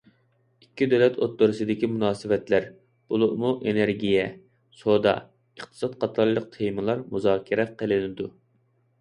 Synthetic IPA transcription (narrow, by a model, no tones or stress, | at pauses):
ikʲʰːid̪ølɛt̪ʰot̪ːoɾɨsɨd̪ɪkʲimunɑːsɪwɛt̪læɾ | b̥ulˠuʔmuʔeneɾɡʲijɛ | sod̪ɑ̰ | əχt̪ʰɨ̥sɑt̪qʰɑt̪ʰɑɾlˠəq̚t̪ʰejmɨlˠɑɾmuzɑːkʲʰiɾɛqʰəlɪnɪd̪u